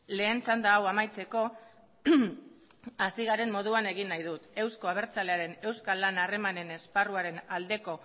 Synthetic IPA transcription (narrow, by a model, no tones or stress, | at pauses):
le̞ːnt͡sand̪aːwamajt͡se̞ko̞ | asiɣaɾe̞mmo̞ð̞uane̞ɣ̞inːajðut̪e̞wsko̞aβ̞e̞ɾt͡sale̞aɾe̞ne̞wskalːanare̞mane̞ne̞sparuaɾe̞nald̪e̞ko̞